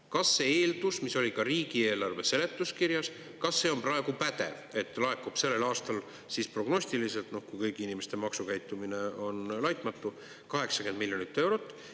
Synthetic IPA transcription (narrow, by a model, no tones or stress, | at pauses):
kɑsːeeːld̪usmiso̞lʲikɑɾiːɡie̞ːlɑrve̞se̞le̞t̪ːˑuskiɾjɑs | kɑsːe̞ːo̞mprɑe̞ɡ̥upæt̪e̞̰ve̞t̪ːˑlɑekːub̥se̞lːe̞lɑːst̪ɑl | sispro̞ɡ̥no̞ɕsʲt̪ilise̞lt̪no̞hkujkɤjkiinime̞st̪e̞mɑksukæjt̪ːˑumine̞o̞nlɑjt̪ˑmɑt̪ːˑu | kɑɦe̞ksɑke̞nd̪milʲjo̞nit̪ːe̞wɾo̞t̪ːˑ